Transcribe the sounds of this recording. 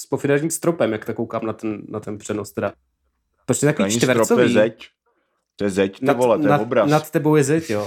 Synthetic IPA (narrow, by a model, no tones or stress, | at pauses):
spofɪnaɾɲiːmst̪ɾopɛmjakt̪akowkaːmnat̪ɛnːat̪ɛnpr̝̥ɛnost̪ɛda | pɾot͡ʃt̪ɛt̪akovit͡ʃit̪vɛɾɾt͡sojɛzɛc | t̪ojɛzɛcnaolɛɛaobɾanat̪ːɛbowjɛzɛcjoː